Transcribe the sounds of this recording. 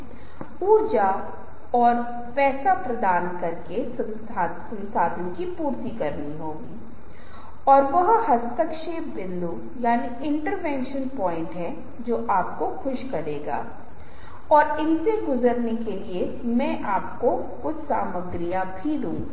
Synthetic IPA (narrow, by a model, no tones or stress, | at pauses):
uːɾd͡ʒa | ɔːɾ | pɛːsapɾɐd̪aːnkɐɾke | sɐ̃nsʰaːd̪ənkipuːɾt̪ikɐɾniɦoːɡiː | ɔːɾʋɐɦhɐst̪əkʃebɪlːu | jaːni | ɪ̃ɳʈəɾʋɛ̃ːnʃənpɔːɪ̃ɳʈɦɛː | d͡ʒoːʔaːp̚koxʊʃkɐɾeːɡa̰ː | ɔːɾɪnseɡʊzəɾnekelie | mɛ̃ːʔaːpko | kʊt͡ʃʰsaːməɡɾijãbʱid̪ũː